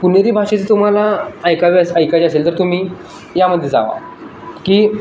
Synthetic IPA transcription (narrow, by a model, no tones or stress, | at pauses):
puneɾiːbʱaʂet͡sit̪um̤alaːjkaʋiəsəjkaʋiəselt̪əɾt̪um̤iː | jaməd̪ʱːjed͡za̰ʋa̰ | kiː